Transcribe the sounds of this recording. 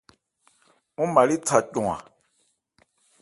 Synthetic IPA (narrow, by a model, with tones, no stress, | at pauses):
ũ˦ma˨li˦tʰa˨cɔ̃˨ã̰˨